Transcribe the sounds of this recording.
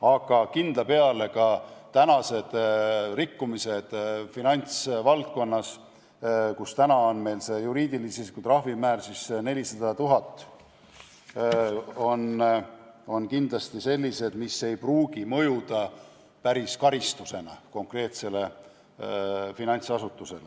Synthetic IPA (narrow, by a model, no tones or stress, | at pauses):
ɑɡ̥ɑkind̪̥lɑpe̞ɑle̞kɑt̪ænɑse̞d̪̥rikːumise̞d̪̥finɑnʲt̪svɑlt̪̚ko̞nːɑs | kust̪ænɑo̞nme̞jlse̞juɾiːd̪̥ilisisi̥kut̪rɑhvimæːrsisne̞lʲisɑd̪ɑt̪uɦɑt̪ːˑ | o̞n | o̞nkind̪lɑst̪ise̞lʲːise̞d̪̥misːe̞jpruːɡimɤjud̪̥ɑ | pæɾiskɑɾist̪use̞nɑ̰ko̞ŋkre̞ːt̪se̞le̞ | finɑnʲt̪sɑsut̪ːˑuse̞le